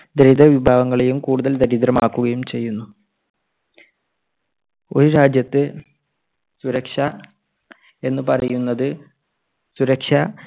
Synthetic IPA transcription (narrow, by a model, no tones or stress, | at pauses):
d̪eɾid̪ɐʋibʱaːʋɐŋːɐɭejumkuːɽuðɐld̪ɐɾid̪ɾɐmaːkːuɣɐjumt͡ɕe̞jːunːu | o̞ɾuɾaːd͡ʑjɐt̪ːɨ | suɾɐkʂɐ | e̞nːɨpɐrɐjunːɐðɨ | suɾɐkʂɐ